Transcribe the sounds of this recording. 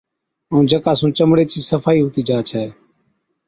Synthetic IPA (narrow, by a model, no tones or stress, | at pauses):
ə̃ːd͡ʒəkaːsũːt͡ʃəmɽeːt͡ʃiːsəfʰaːiːɦʊt̪iːd͡ʒaːt͡ʃʰɛː